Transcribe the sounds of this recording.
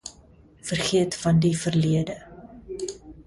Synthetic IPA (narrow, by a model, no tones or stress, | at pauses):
fərχiətfɐndifərliədə